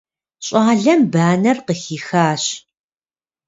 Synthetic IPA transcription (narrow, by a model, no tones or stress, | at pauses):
ɕʼɑːɮɐmbaːnɐrqəxiːxaːɕ